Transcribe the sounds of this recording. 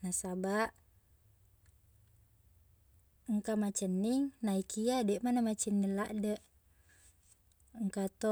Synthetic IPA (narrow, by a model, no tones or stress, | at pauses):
nasabaʔ | əŋkamat͡ʃənːiŋnaikʰiadɛʔmanamat͡ʃənːilaʔdəʔ | ŋkat̪o